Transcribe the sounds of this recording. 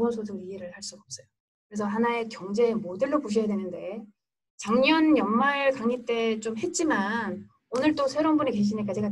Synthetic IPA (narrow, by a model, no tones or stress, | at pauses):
ʌsʰodoɾieɾɯɭhaɭs͈uɡʌp̚s͈ʌjo | kɯɾesʰʌɦanae̞kjʌŋd͡ʑe̞ːmodeɭːopuɕ̬ʰijadwenɯnde̞ | t͡ɕaŋɲʌnjʌnmaɭkaŋit͈e̞t͡ɕ͈omɦe̞t̚t͡ɕ͈iman | onɯɭt͈osʰe̞ɾonbuneke̞ɕ̬ʰinek̬͈ad͡ʑiɡa